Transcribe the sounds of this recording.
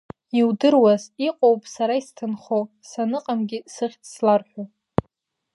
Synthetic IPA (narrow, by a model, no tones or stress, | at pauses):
iwdɨrwaziqʼowpʼsaɾaistʰɨnχo | sanɨqʼamɡʲisɨχʲʼslarħʷᶣa